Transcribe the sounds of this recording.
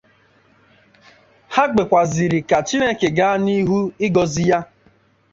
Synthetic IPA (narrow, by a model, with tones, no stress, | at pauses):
ha˦ɡ͡be˨kʷa˨zi˨ɾi˨ka˨t͡ʃi˦ne˦˨ke˨ɡa˦a˦ni˦ɦu˦ɪ˦ɡɔ˨zi˦ja˦